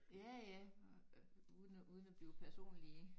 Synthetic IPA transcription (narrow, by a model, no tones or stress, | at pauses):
jæjæ | uðˠn̩uð̞ˠnæb̥liːʊpʰæɐso̝̰ːnli